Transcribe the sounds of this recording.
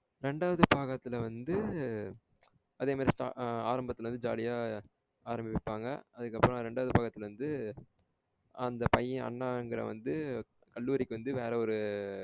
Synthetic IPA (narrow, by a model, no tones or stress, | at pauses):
ɾɛɳɖaːʋɐðɯpaːɣɐt̪ːɪlʋɐnd̪ɯ | ɐðeːmaːd̪ɾisʈaːaːɾɐmbɐt̪ːɪlɐʋɐnd̪ɯd͡ʒa̰ːlɪjaː | aːɾɐmbɪpːaːŋɡɐ̰ɐðɯkːɐpːɯɾɔ̃ɾɛɳɖaːʋɐðɯpaːɣɐt̪ːɪlʋɐnd̪ɯ | ɐnd̪ɐpɐjːɪ̃ɐ̰ɳːaːɛŋɡɪɾɐ̰ʋɐ̰nd̪ɯ | kɐɭːuːɾɪkːɯʋɐnd̪ɯʋeːɾɛɔɾɯ